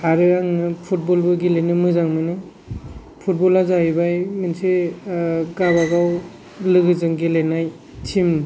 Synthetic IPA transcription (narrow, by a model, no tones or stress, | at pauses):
aɾɯaŋnɯpʰut̚bolbɯɡelenɯmɯzaŋmɯnɯ | pʰut̚bɔlazaibajmense | ɡabaɡaw | lɯɡɯzɯŋɡelenaj | tʰim